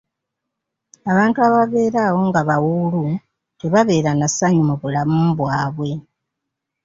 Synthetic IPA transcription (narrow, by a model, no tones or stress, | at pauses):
aβaːntuaβaβe̞ːɾawo̞ŋɡaβawulu | teβaβe̞ːɾanasaɲumuβulamumβwaːβwe̞